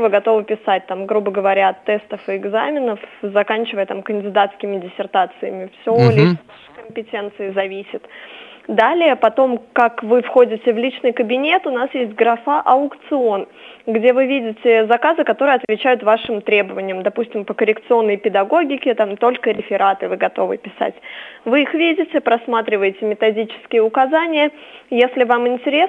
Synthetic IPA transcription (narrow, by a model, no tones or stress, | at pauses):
vɨɡɐt̪o̞vɨpʲɪsat̚ʲt̪amɡɾubəɡəvɐɾʲaɐt̪ːɛst̪əfɨɪɡzamʲɪnəfzɐkanʲt͡ɕɪvəjət̪amkənʲdʲɪd̪at̪skʲɪmʲɪdʲɪsʲɪrt̪at̪sɨjəmʲɪfsʲolʲi | kəmʲpʲɪtʲe̞nt̪sɨɪzɐvʲisʲɪt̪d̪alʲɪjəpɐt̪o̞mkakvɨfxo̞dʲɪtʲɪvlʲit͡ɕnɨjkəbʲɪnʲe̞t̪ʊnasjesʲtʲɡɾɐfaʔɐʊkt̪sɨo̞n | ɡdʲe̞vɨvʲidʲɪtʲɪzɐkazɨkɐt̪o̞ɾɨjɐt̪vʲɪt͡ɕæjʊt̪vaʂɨmt̪ɾʲe̞bəvənʲɪjəmd̪ɐpusʲtʲɪmpəkəɾʲɪkt̪sɨo̞nːəjpʲɪd̪ɐɡo̞ɡʲɪkʲɪt̪amt̪o̞lʲkəɾʲɪfʲɪɾat̪ɨvɨɡɐt̪o̞̰vɨ̰pʲɪsa̰tʲvɨixvʲidʲɪtʲɪpɾɐsmat̪ɾʲɪvəjɪtʲɪmʲɪt̪ɐdʲit͡ɕɪ̥skʲɪjəʊkɐzanʲɪjəjesʲlʲɪvamɪnʲtʲɪɾʲe